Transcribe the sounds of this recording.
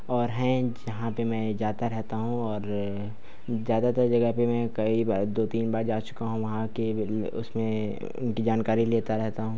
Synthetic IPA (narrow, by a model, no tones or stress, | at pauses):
ɔːɾɦɛ̃d͡ʒɐɦãpemɛ̃ːd͡ʒaːt̪aɾɛɦt̪aɦũɔːɾ | zjaːd̪at̪ɐɾd͡ʒɐɡəɦpemɛ̃ːkɐibad̪oːt̪iːnbaːɾd͡ʒaːt͡ʃʊ̥kaɦũʋɐɦãke | ʊ̰smẽ | ʊ̰nkid͡ʒaːnkaːɾileːt̪aɾɛɦt̪aɦũː